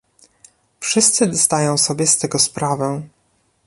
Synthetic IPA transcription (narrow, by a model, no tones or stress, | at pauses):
fʂɘst̪sɘzd̪ajɔ̃w̃sɔbʲjɛst̪ɛɡɔspɾavɛ̃